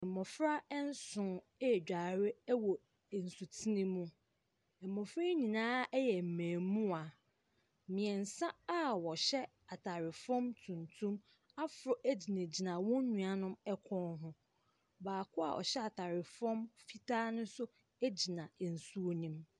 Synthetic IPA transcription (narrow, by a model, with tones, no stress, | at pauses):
ɛ̃˨mɔ˨fɾa˦ɛ˦n̩˦sʊ̃˨˦ | ɛ˨d͡ʑᶣa˨ɾɪ˦wɔ˨ | n̩˨su˨tʰi˦nĩ˦mũ˦ | ɛ˨mːɔ̃˨fɾa˦ɲĩ˨nãː˦ɛ˦jɛ˨m̩˨mæ̃ː˨mũ˦a˨ | mĩ˨ɛ˨n̩˨sã˦a˦wɔ˨ɕɛ˦ | a˨tʰa˨ɾɪ˨fɔ̃˦mtʰũ˨ntʰũ˦m | a˦fʊ˨ɾɔ˨ʔæ˦d͡ʑi˨nẽ˨d͡ʑi˨nã˨wɔ̃˦ɲũ˨a˨nʊ̃˦mɛ˦kʷʰɔ̃˦nɦʊ̃˦ | baː˨kʰʊ˦a̰˨ʔɔ̰˨ɕɛ˦a˨tʰa˨ɾɪ˨fɔ̃˦mfi˦tʰaː˦nʊ̃˦sʊ˦ | æ˦d͡ʑi˨nã˨n̩˨su˦o˦nĩ˦m